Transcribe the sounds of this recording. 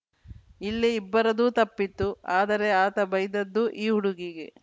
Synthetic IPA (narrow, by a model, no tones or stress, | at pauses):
ilːiːbːɐɾɐd̪uːt̪ɐpːit̪ːuaːd̪ɐɾe̞aːt̪ɐbɐjd̪ɐd̪ːuʔiːɦuɽuɡiɡe̞